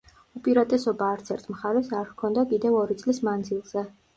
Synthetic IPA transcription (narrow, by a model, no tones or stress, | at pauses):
upʼiɾat̪ʼɛsɔbaːɾt̪sʰɛɾt̪ʼmχaɾɛsaɾhkʰɔnd̪akʼid̪ɛvɔɾit̪sʼlismand̪zilˠz̥ɛ